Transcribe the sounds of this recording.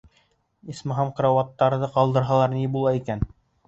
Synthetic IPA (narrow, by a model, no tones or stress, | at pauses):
ismɑɦɑmqɾɑwɑt̪ːɑɾðɤqɑlˠd̪ɤ̆ɾɦɑlˠɑɾnibulˠɑikæn